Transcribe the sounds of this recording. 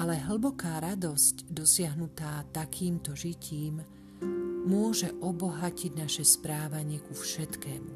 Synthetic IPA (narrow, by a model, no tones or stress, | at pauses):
alɛɦl̩bɔkaːɾad̪ɔscd̪ɔsɪaɦnut̪aːt̪akʰiːmt̪ɔʒicʰiːmː | ʊɔʒɛʔɔbɔɦaciɟnaʃɛspɾaːʋaɲɪɛkufʃɛt̪kɛːmu